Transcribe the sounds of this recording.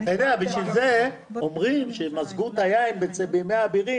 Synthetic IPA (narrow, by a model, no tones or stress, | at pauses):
ajd̪eabiʃvilze | omʁimʃemazɡut̪ajaimbet͡sebimeabiʁi